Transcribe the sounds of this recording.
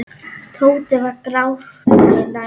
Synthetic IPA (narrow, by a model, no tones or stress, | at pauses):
t̪ʰowt̪ɪvakɾaw | na